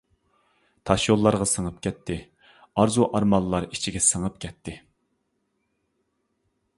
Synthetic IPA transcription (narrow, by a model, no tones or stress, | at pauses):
t̪ʰɑʃjolˠːɑɾʁɑsəŋəp̚kʲʰɛt̪ʰːɪ | ɑɾzuʔɑɾmɑlˠːɑɾi̥t͡ʃʰiɡʲɛsəŋəp̚kʲʰɛt̪ʰːɪ